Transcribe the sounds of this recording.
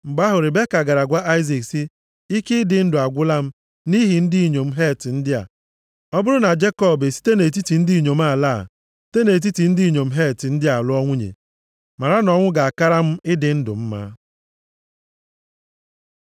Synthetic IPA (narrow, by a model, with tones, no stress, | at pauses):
ŋ͡m̩˨ɡ͡ba˦ɦʊ˨ɾɪ˨be˦ka˨ɡa˨ɾa˨ɡʷa˦ʔa˦ɪ˦zi˨ksi˦ | i˦ke˦ɪ˦dɪ˨n̩˦dʊ˨a˨ɡʷʊ˦la˦m̩˦ | ni˦ɦi˨n̩˦di˦i˨ɲo˨m̩˦ɦe˦˨tɪ˨n̩˦dɪ˦a̰˨ | ɔ˦bʊ˦ɾʊ˦na˨d͡ʒe˦kɔ˦˨be˨si̥˦te˦ne˨t̬i˦ti˨n̩˦di˦˨ɲo˨m̩˦a˦˨la̰ː˦˨ | si̥˦te˦ne˨t̬i˦ti˨n̩˦di˦i˦˨ɲo˨m̩˦ɦe˦˨tɪ˨n̩˦dɪ˦a˨lʊ˦ɔ˦ŋʷʊ˦ɲḛ˨ | ma˨ɾa˦nɔ˨ŋʷʊ˦ɡa˨a˨ka˦ɾa˦m̩˦ɪ˦dɪ˨n̩˦dʊ̰˨m̩˦ma̰ː˦